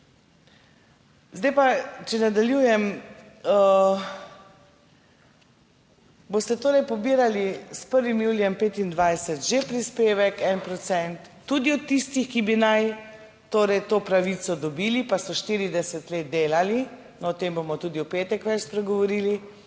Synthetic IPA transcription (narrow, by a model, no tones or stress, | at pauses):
zd̪ajpat͡ʃɛnad̪aljuːjɛm | boːst̪ɛt̪oːɾɛjpɔbiːɾalispəɾʋimjuːljɛmpeːt̪ind̪ʋajsɛt̪ʒepɾispeːʋɛkɛnpɾɔt̪sɛnt̪ːud̪iɔtt̪ːist̪ixkibinaj | t̪oːɾɛjt̪oːpɾaʋit̪sɔd̪ɔbilipasɔʃt̪iːɾid̪ɛsɛt̪leːt̪̚d̪eːlali | nɔɔt̪embomɔt̪uːd̪iupeːt̪ɛkʋɛt͡ʃspɾɛɡɔʋɔɾiːli